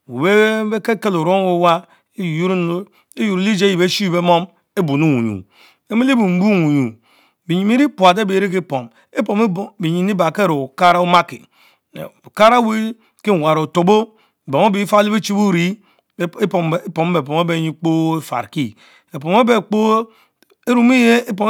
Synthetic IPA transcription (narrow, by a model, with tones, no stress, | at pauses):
we˨be˦e˦ke˦ke˦lo˨ɾo˦we˦wa˦ | e˦ju˦ɾ | e˦ju˨ɾli˦d͡ʒe˦ji˨be˦ʃi˦be˦mo˦m | e˦bu˨nu˦˨ŋṵ˨ɲṵ˨ | e˦me˦li˦bu˨m̩˦bu˦ŋu˨ɲṵ˨ | bi˨ɲi˨mi˦ɾi˦pu˨a˨de˦be˨˦ɾe˦ke˦po˨m | e˦po˨m˦˨bi˨ɲi˨ni˦ba˨ke˦ɾo˨o˨ka˦ɾa˦o˦ma˦kḭ˨ | o˨ka˦ɾa˦wi˦ | ke˦˨wa˨ɾo˨to˨bo˦˨ | bo˨m˦o˦bi˦fa˦li˦be˦t͡ʃi˦bu˦ɾi˨˦˨ | po˨m˦be˨po˨me˦be˨˦ɲi˦k͡po˦e˦fa̰˨ɾki˦ | e˨po˨me˦be˦˨k͡po˦ | e˦ɾu˦mi˦je˦e˦po˨m